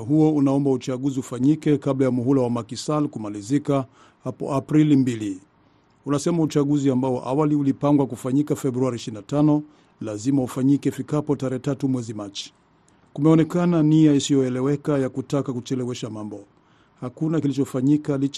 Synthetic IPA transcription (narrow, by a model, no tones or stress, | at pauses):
ɦuɔunaɔmbaut͡ʃaɠuziufaɲikɛkablajamuɦulawamakisalkumalizika | hapɔ̰apɾilimbili | unasɛmaut͡ʃaɠuziambaɔ̰ʔawaliulipaŋɡwakufaɲikafɛbɾuaɾiʃiinatanɔ | lazimaufaɲikɛfikapɔtaɾɛɛtatumwɛzimat͡ʃi̥ | kumɛɔnɛkananiaisijɔɛlɛwɛkajakutakakut͡ʃɛlɛwɛʃamambɔ | hakunakilit͡ʃɔfaɲikalit͡ʃ